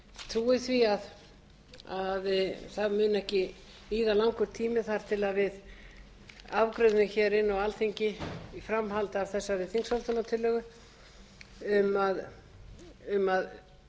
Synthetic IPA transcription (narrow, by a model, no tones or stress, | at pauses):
t̪ʰɾuːɪθviað | aðθaðmʏːnɛhcɪ | iːðalawŋkʏɾ̥t̪ʰiːmɪθaɾ̥t̪ʰɪlaðvɪð | avkɾʏðnɪçɛɾɪnːawalθiɲcɪifɾamɦalt̪avθɛsːavɪðθiŋksalt̪ʰanat̪ʰɪlːœːɣʏ | ʏmað | ʏmað